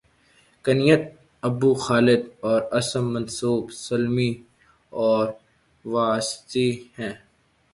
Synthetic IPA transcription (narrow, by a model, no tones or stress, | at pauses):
kɐnijət̪̚ | ɐbuxaːlɪd̪ɔːɾɐsəmːɐ̃nsuːbsɐlmi | ɔːɾ | ʋaːst̪ihɛ̃ː